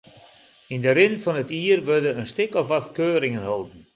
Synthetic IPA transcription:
indəɾɪnfɑnətiːrʋʏrdəənstɪkɔfatkøːɾɪŋənɦolˠdn̩

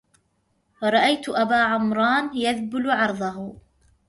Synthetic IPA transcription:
fɾˤɑʔajt̪ʊʔabaːʕʊmɾˤɑːnjaðbʊlʊʕɑɾˤðˤɑɦʊ

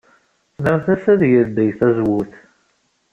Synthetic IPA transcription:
nəʁθæsæðjəɾd̪əjθæzwuθ

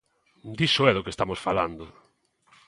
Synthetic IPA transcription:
d̪iʃoɛðokest̪amosfala̰nd̪ʊ

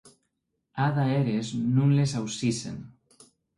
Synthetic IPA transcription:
aðaeɾeznũnlesawsisḛn

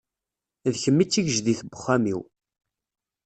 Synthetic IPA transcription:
ðçəmːit͡sːiʝəʒðiθəbə̥χːæmḭw

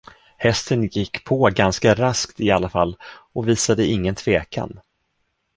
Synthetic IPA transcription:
hɛst̪ənjɪkːpʰɔɡanskaɾaskt̪ɪalːafalːɔviːsad̪əɪŋːənt̪ʰv̥eːka̰n

